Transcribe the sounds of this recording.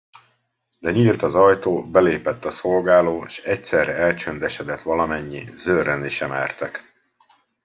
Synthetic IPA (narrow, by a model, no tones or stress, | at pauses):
d̪ɛɲilt̪ɒzɒjt̪oːbɛleːpɛt̪ːɒso̞lɡaːloːʃɛcsɛrːɛɛlt͡ʃønd̪ɛʃɛd̪ɛt̪ʋɒlɒmɛɲːizøːɾøniʃɛmɛ̰rt̪ɛk